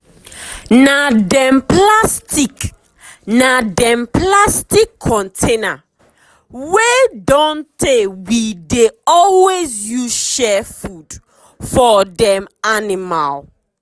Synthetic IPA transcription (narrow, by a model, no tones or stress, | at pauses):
nadɛ̃mplastik | nadɛ̃mplastikʰːɔ̃ntʰena | wedɔ̃ntewideɔlwezjuzʃɛfud̥ | fɔdɛ̃manimal